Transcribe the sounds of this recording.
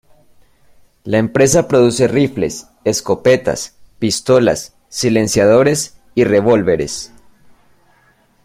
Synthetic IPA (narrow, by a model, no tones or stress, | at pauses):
laempɾe̞sapɾo̞ðuse̞rifle̞̰s | esko̞pe̞t̪a̰spist̪o̞la̰sː | ile̞nsjaðo̞ɾe̞s | ire̞βo̞lβe̞ɾe̞̰s